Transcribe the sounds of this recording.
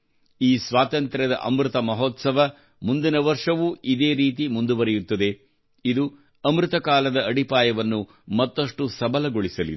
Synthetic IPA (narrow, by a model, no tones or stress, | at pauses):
iːsʋaːt̪ɐnt̪ɾɐd̪ɐ̰ʔɐmɾut̪ɐmɐɦɔːt̪sɐʋɐ | mund̪inɐʋɐɾʂɐʋuid̪eːɾiːt̪imund̪uʋɐɾɛjut̪ːɐd̪e̞ | id̪u | ɐmɾɯt̪ɐkaːlɐd̪ɐɐɽipaːjɐʋɐnːu | mɐt̪ːɐʂʈusɐbɐlɐɡoɭisɐli